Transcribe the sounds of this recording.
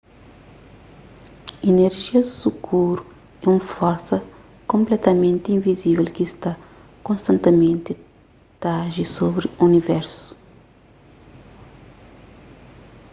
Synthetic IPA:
ineɾʒiɐsukʰuɾu | ɛũmfɔɾsɐ | kõmplɛt̪ɐmẽnt̪ĩnvizivɛlkist̪a | kõnst̪ɐ̃nt̪emẽnt̪ɪ | t̪aʒisobɾiunivɛɾsu̥

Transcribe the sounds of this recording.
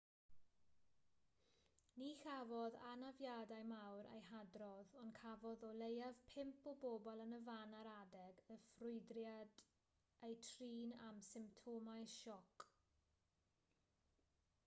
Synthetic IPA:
nixavɔðanavjadajmawɾḛjhadrɔðɔnkʰavɔðɔlˠejav̥pʰɪmpʰɔboːbɔlˠənəvanaɾadɛɡəfrʊɨdrjad | ejtʰriːnamsɪmp̚tʰɔmajʃɔk

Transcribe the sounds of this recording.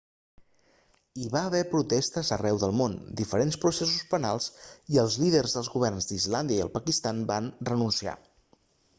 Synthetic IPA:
iβaəβɛpɾut̪ɛst̪əzərɛwðəlˠmond̪ifəɾenspɾusesuspənalˠziəlˠzliðərzðəlˠzɣuβɛrnzd̪izland̪jəiə̰lˠpəkist̪anbanrənunsia̰

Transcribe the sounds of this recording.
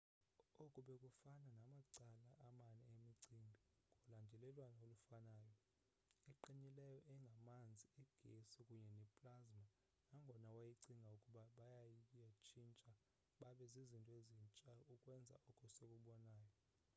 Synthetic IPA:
okʼuɓɛkʼufananamaǀalaʔamanɛemiǀimbʱi | kʼɔlandʱɛlɛlwanaolufanaːjɔ | iǃiɲilɛjɔʔɛŋɡʱamand͡zʱiiɡ̥ʱesikʼuɲɛnɛpʼlazma | naŋɡʱɔnawajiǀiŋɡʱaukʼuɓaɓajajat͡ʃʰʼint͡ʃʼa | ɓaɓɛzizintʼɔezint͡ʃʼaukʼwɛnd͡zʱa̰ɔkʰʼɔsekʼuɓɔnaːjɔ

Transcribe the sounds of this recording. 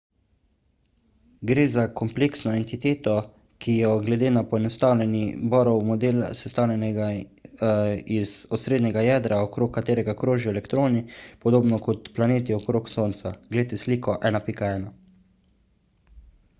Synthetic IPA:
ɡɾeːzakɔmpleːksnɔɛnt̪it̪eːt̪ɔ | kijɔɡlɛd̪eːnapɔɛnɔst̪aːwlʲɛnibɔːɾɔwmɔd̪eːl̰sɛst̪aːwlʲɛnɛɡa | izɔsɾeːd̪nʲɛɡajɛːd̪ɾaɔkɾoːkːat̪eːɾɛɡakɾoːʒiɔɛlɛkt̪ɾoːnipɔd̪oːbnɔkɔt̪planeːt̪iɔkɾoːksoːnt̪saɡlet̪esliːkɔʔɛːnapikaɛːna

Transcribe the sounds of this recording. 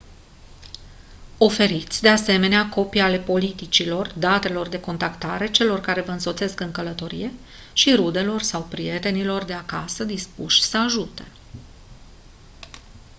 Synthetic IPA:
o̞fe̞ɾit̪sʲd̪e̞ase̞me̞neako̞piale̞po̞lit̪it͡ʃilo̞rd̪at̪e̞lo̞rd̪e̞ko̞nt̪akt̪aɾe̞t͡ʃe̞lo̞rkaɾe̞vəɨnso̞t̪se̞skɨŋkələt̪o̞ɾḭje̞ | ʃiɾud̪e̞lo̞rsawpɾije̞t̪e̞nilo̞rd̪e̞akasəd̪ispuʃʲsəaʒut̪e̞̥

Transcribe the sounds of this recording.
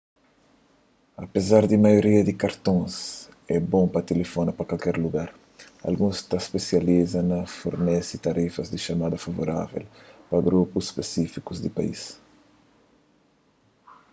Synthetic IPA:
ɐpezaɾd̪imajoɾiɐd̪ikaɾt̪õs | ɛbõŋpɐt̪elefonɐpɐkalkɛɾluɡaɾ | a̰lɡũst̪aspesjalizɐnɐfoɾnɛsit̪aɾifɐzd̪iʃamad̪ɐfavo̰ɾa̰vḛlpɐɡɾupusspesifikuzd̪ipa̰ḭs

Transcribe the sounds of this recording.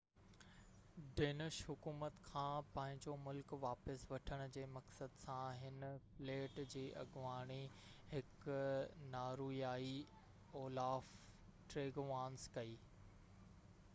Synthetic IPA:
ɖeːnɪʃɦʊkuːmət̪kʰãːpɐ̃ːɦɪ̃ɲd͡ʑomʊlkʋaːpəsʋɐʈʰəɽ̃ʊ̆d͡ʑeːmɐksəd̪sãɦɪnfleːʈd͡ʑiːʔɐ̰ɡʋaːɽ̃iɦɪk | naːɾuːjaːi | oːlaːf | ʈɾeːɡʋãːnskɐiː

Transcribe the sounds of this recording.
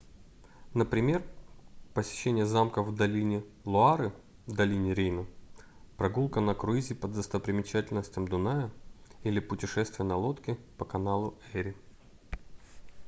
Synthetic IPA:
nəpɾʲɪmʲe̞rpəsʲɪ̥ɕːenʲɪjəzamkəvd̪ɐlʲinʲɪ | lˠʊaɾɨ | d̪ɐlʲinʲɪɾʲejnə | pɾɐɡulˠkənɐkɾʊizʲɪpəd̪zəst̪əpɾʲɪmʲɪt͡ɕætʲɪlʲnəsʲtʲɪmd̪ʊnajəilʲɪpʊtʲɪʂɛst̪vʲɪjənɐlˠo̞t̪kʲɪ | pəkɐnalˠʊɛɾʲɪ

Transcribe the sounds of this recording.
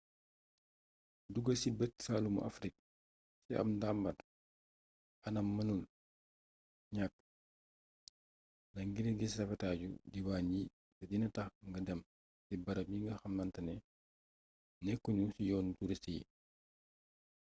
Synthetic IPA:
duɡəsibɛtsaːlumṵʔa̰fɾik̚ | siʔɐ̰mdambɐt | ʔɐnɐmːɐnul | ɲak̚ː | nɐŋɡiɾiɡissɐfɛtaːɟṵdiwaːnɟi | tɛdinɐtɐxŋɡɐdɛm | sibɐɾɐbiŋɡɐxɐmnɐntɐnɛ | nɛkːuɲusijɔːntuɾistij̰

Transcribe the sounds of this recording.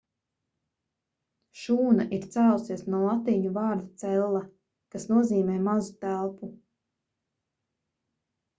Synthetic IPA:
ʃuːnaʔiɾt̪sæːlusiɛsnuɔlˠat̪iɲuvɑːɾd̪at̪sɛlˠːa | kasnuɔziːmɛːmazut̪ælˠpu

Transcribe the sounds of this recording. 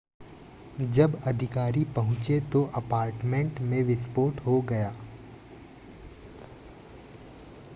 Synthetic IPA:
d͡ʒɐbɐd̪ʱɪkaːɾipɐɦʊ̃t͡ʃet̪oʔɐpaːɾʈmẽɳʈmẽʋɪspoːʈɦoɡɐjaː

